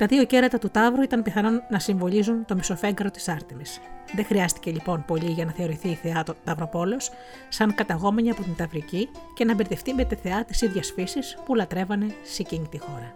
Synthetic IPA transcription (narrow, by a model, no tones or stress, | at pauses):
t̪ɐðio̞ce̞ɾɐt̪ɐt̪ut̪ɐvɾuit̪ɐmpiθɐno̞nːɐsiɱvo̞ʎizunt̪o̞miso̞fe̞ŋɡɐɾo̞t̪i̥sɐɾt̪imisðexɾiɐst̪i̥ce̞ʎipo̞npo̞liʝɐnɐθe̞o̞ɾiθiːθeɐt̪ɐvɾo̞po̞leo̞s | sɐŋkɐt̪ɐɣo̞me̞ɲiɐpo̞t̪int̪ɐvɾici | ce̞nɐbeɾt̪eft̪ime̞t̪eθe̞ɐt̪i̥siðʝɐsfisispulɐt̪ɾe̞vɐne̞seciɲit̪ixo̞ɾɐ